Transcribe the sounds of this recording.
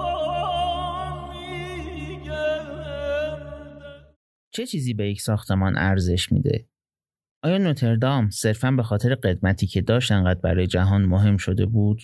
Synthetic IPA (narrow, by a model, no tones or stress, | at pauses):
t͡ʃʰe̞t͡ʃʰiːziːbe̞jecʰsɒːxt̪ʰe̞mɒːnʔæ̰ɾze̞ʃmḭːd̪ḛ | ʔɒːjɒːnot̪ʰe̞ɾd̪ɒmse̞ɾfænbe̞xɒːt̪ʰe̞ɾeɢe̞d̪mæt̪ʰiːcʰe̞d̪ɒːʃt̪eŋɢæːd̪̚bæ̰ɾɒːje̞d͡ʒæɦɒːnmoɦe̞mʃo̞d̪e̞̰buːd̪̥